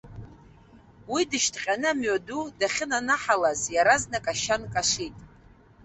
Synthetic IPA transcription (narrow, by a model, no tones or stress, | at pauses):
widɨʃtʰqʲʼanɨamɥadudaχʲɪnanaħalazjaɾaznakʼaʃankʼaʂitʼ